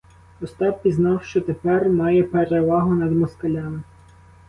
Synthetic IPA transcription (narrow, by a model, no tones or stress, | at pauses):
ɔst̪ɑppʲiznɑwʃt͡ʃɔt̪epɛrmɑjɛpeɾeʋɑɦʊnɐd̪mɔskɐlʲɑmɪ